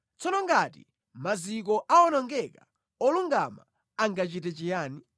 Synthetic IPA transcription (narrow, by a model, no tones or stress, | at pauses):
t͡sɔnɔŋɡatḭ | mazik̬ɔʔaɔnɔŋɡɛka | ɔluŋɡa̰ma̰ | aŋɡat͡ʃitɛt͡ʃijaːni